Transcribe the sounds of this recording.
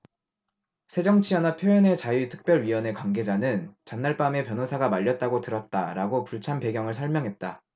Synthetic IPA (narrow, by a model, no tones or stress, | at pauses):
sʰe̞d͡ʑʌŋt͡ɕʰianapʰjojʌne̞t͡ɕajitʰɯ̥k̚p͈jʌɭɥiwʌne̞kwaŋɡe̞d͡ʑanɯnt͡ɕʌnːaɭp͈ame̞pjʌnosʰaɡamaʎːʌt̚t͈aɡotɯɾʌt̚t͈a̰ɾaɡopuɭt͡ɕʰanpe̞ɡjʌŋɯɭs̬ʰʌɭmjʌŋɦe̞t̚t͈a